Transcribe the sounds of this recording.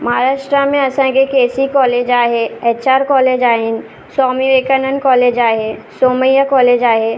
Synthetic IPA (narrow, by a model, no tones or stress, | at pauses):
mɐɦaɾaːʃʈɾamẽɐsãːɡekeːsikɔːleːd͡ʒaːɦeɛːt͡ʃaːɾkɔːleːd͡ʒaːɦɪn | sɔːmiʋeːkənənkɔːleːd͡ʒaːɦesoːməjakɔːleːd͡ʒaːɦe